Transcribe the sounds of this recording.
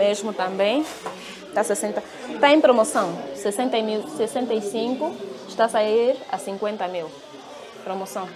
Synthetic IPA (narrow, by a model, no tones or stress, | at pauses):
meʒmʊt̪ɐ̃mbẽj̃ | t̪asesẽnt̪ɐ | t̪aẽj̃pɾomosɐ̃w̃sesẽnt̪ɐmilsesẽnt̪ɐisĩŋkuʃt̪asaiɾɐ̰sĩŋkwẽnt̪ɐmil | pɾomosɐ̃w̃